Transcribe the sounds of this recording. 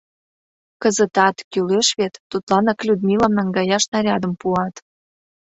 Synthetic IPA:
kəzət̪ɑt̪kyleʃβet̪ːut̪lɑnɑklʲud̪mʲilɑmnɑŋɡɑjɑʃnɑɾʲɑd̪əmpuɑt̪

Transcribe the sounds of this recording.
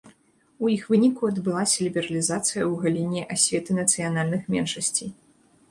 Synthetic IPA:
ujixvɨnʲikuɐd̪bɨlˠasʲɐlʲibʲɛɾɐlʲizat̪sɨjɐwɣalʲinʲiʔasʲvʲɛt̪ɨnɐt̪sɨjanalʲnɨxmʲɛnʂɐsʲt͡sʲij

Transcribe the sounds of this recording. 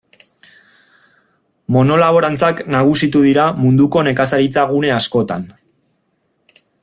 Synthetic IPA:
mo̞no̞laβ̞o̞ɾant͡saknaɣ̞usit̪uðiɾamund̪uko̞ne̞kasaɾit͡saɣ̞une̞asko̞t̪an

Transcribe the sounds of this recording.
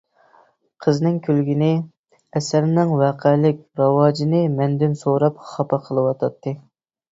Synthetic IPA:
qʰəznɨŋkʲʰølɡʲinɪ | ɛsæɾnɪŋwɑqʰɛlɪkʲɾɑwɑːd͡ʒinɨmɛnd̪ɪnsoɾɑpχɑpɑqʰəlˠɨwɑt̪ʰɑt̪ʰːɨ

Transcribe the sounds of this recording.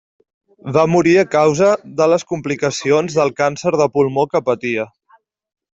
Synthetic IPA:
βamuɾiəkawzəðələskumplikəsionzðəlˠkansəɾð̞əpulˠmokəpət̪iə

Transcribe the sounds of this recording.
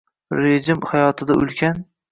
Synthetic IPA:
ɾed͡ʒɪmhajɒt̪ʰɪd̪aʔʊ̰lˠkʲʰan

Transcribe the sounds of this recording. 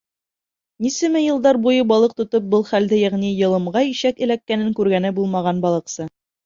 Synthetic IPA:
nisɘ̆mɘjɤ̆lˠd̪ɑɾbujɤbɑlˠɤq̚t̪ŏt̪ɤp̚bɤlˠχæld̪ɘjæʁnijɤ̆lˠɤ̆mɢɑiʃækɘ̆lækːænɘŋkʉɾɡænɘbulˠmɑʁɑnbɑlˠɤ̆qsɤ

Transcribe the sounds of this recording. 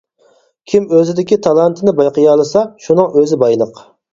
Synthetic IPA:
kʲʰimøzɪd̪ɪkʲit̪ʰɑlˠɑnt̪ʰɨnɪbɑjqəjɑlˠɨsɑʃunɨŋøzɪbɑjlˠəq

